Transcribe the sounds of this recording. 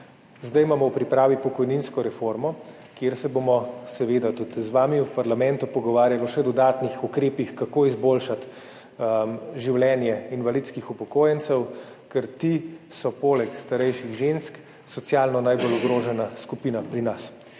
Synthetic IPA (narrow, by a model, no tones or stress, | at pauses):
zd̪ajmaːmɔwpɾipɾaːʋipɔkɔjninskɔɾɛfoɾmɔ | kjeɾsɛbomɔsɛʋeːd̪at̪ut̪zʋaːmiwpaɾlamɛnt̪upɔɡɔʋaːɾjalɔʃɛd̪ɔd̪aːt̪nixukɾeːpixkakoːizboːlʃat̪ | ʒiwlɛnjɛinʋalit̪skixupɔkoːjɛnsɛw | kɛɾt̪isɔpoːlɛkst̪aɾɛjʃiɣʒensk | sɔt̪sijaːlnɔnajbolɔɡɾoːʒɛnaskupiːnapɾinas